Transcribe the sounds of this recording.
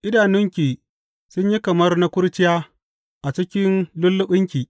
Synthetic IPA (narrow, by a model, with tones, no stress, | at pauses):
ʔɪ˦daː˨nʊ˦ŋkʲiː˨ | sʊ˦ɲji˦kɐ˨mɐ˦rna˦kʷʊ˦ɾt͡ʃɪ˦jaː˦ | ʔa˨t͡ʃɪ˦kʲɪ˦nlʊ˦lːʊ˦ɓɪ˦ŋkʲiː˨